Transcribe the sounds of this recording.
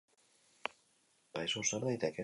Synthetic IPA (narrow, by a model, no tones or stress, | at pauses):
ajsosaɾðajt̪eke